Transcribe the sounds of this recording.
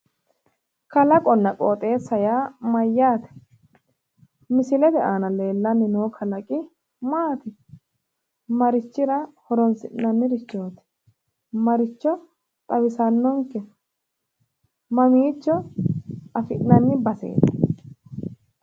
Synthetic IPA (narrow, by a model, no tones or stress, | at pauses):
kɐlɐkʼɔnːɐkʼoːt̪ʼe̞ːsːɐjaːmɐjːaːt̪ɛ̥ | mɪsɪlɛd̪ɛʔaːnɐle̞ːlːɐnːɪnoːkʰɐlɐkʼɪ | maːt̪ɪ | mɐɾɪt͡ʃːɪɾɐhɔɾɔnsɪʔnɐnːɪɾɪt͡ʃːo̞ːt̪ɛ̥ | mɐɾɪt͡ʃːɔ | t̪ʼɐbɪsɐnːɔŋkɛ | mɐmiːt͡ʃːɔ | ɐfɪʔnːɐnːɪbɐsḛːt̪ɛ̥